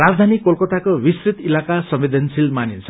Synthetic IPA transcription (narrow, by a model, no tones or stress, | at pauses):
ɾad͡zd̪ʱanikolkʌt̪akowisrit̪ilakasʌmid̪ʱensilmanint͡sʰʌ